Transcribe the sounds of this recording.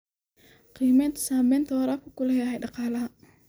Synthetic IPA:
qiːmɛːnt̪ʰɐ̥saːmɛːnt̪ʰɐwɐɾaːfkʰʊkʰʊlɛjɐhɛjɖɑqɑːlɐɦɐ

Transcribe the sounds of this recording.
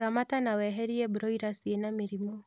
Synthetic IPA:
amatanawɛɦɛɾiɛbuɾɔiɾasienamiɾimɔ

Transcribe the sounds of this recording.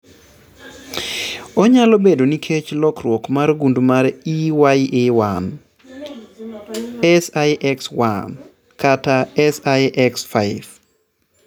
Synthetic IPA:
ɔɲalobedonikʰet͡ʃlɔkrwɔkmarɡundmaɾiwajʔɪwan | ɛsajʔɛkswan | kataɛsajʔɛksfaɪv

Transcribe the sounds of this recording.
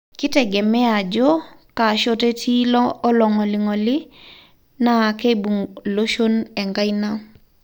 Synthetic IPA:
kiteɡemead͡ʒokaʃotetʰiloloŋoliŋoli | naːkebuŋloʃoneŋɡajna

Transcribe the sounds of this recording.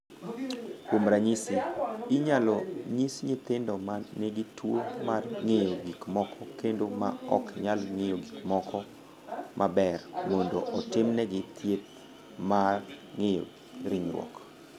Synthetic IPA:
komɾaɲisiɪɲalɔɲisɲɪt̪ɪndɔmanɛɡɪtwomarŋejoɡikmɔkʰɔkendoma̰ɔkɪɲalŋejoɡikmɔkɔ | mʔabɛrmɔndoʔɔtɪmnɛɡɪt̪ʰjet̪̚ | marŋejo̰ | ɾiɲɾwɔ̰k

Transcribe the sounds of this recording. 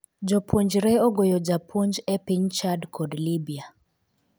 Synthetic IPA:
d͡ʒopʰuɲd͡ʒɾɛoɡojɔd͡ʒapʰuɲd͡ʒɛpiɲt͡ʃadkʰɔdlibia

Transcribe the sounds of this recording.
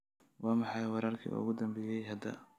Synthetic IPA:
wɑːmɑħɑjwɑɾaːrkʰḭːʔʊ̰ɣʊd̪ɐmbɛːjɛjɦɐd̪ɐ̰

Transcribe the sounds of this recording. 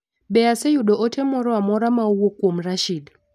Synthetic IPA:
bɛasejuɗɔʔotʰɛmɔɾɔamɔɾamauwokwomɾaʃid

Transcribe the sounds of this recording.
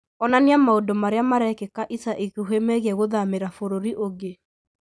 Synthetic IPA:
ɔnaniamaodomaɾeamaɾɛkekaʔisaʔikuɦemɛɣɛɣoðameɾafoɾoɾiʔoɡe

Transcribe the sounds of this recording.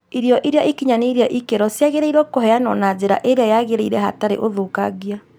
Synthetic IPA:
iɾjɔʔiɾeaʔikiɲaneiɾjaʔikeɾɔsjaɣeɾeiɾɔkohɛanɔ̰nazeɾa̰ʔeɾeajaɣeɾeiɾɛha̰taɾḛʔoðokaɣia

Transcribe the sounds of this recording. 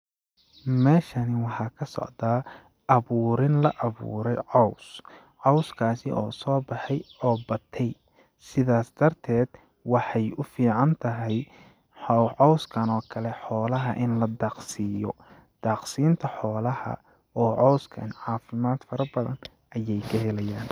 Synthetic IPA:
mɛːʃɐnɪwɑħɑːkʰɐsɔ̰ʕd̪aː | ɐβuːɾɪnlɐʔɐβṵːɾɛjʕɔws | ʕɔwskʰaːsɪʔɔːsɔːbɑħɛjɔːbɐt̪ʰɛj | sɪðaːsd̪̥ɐrt̪ʰɛːd̪ | wɑħɑjʊfiːʕɑnt̪ʰɐɦɛj | ħɔʕɔwskʰɐnɔːkʰɐlɛħɔːlɐɦɐ̰ʔɪnlɐd̪ɑːqsijɔ̰ | d̪̥aːqsiːnt̪ʰɐħɔːlɐhɐ̰ | ɔːʕɔwskʰɐɪnʕɑːfɪmaːd̪fɐɾɐbɐðɐ̰n | ʔɐjɛjkʰɐɦɛlɐjaːn

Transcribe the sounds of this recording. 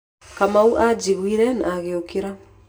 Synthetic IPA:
kamauʔad͡ʒiɣwiɾɛna̰aɣeokeɾa

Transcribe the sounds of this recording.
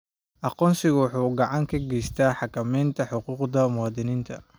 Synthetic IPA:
ʔɑqɔːnsɪɣʊwħuːɡɑʕɑŋkʰɐɡɛjst̪ʰaːħɑkʰɐmɛjnt̪ʰɐħʊquːqd̪ɐmʊwɑːd̪ɪniːnt̪ʰɐ

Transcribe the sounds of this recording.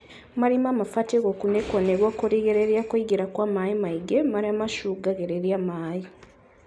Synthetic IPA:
maɾimamafateɡokunekoneɣwokuɾiɡeɾeɾjakwiɡiɾakwamajimaiɡemaɾiamaʃuɡaɡeɾeɾjamaːji

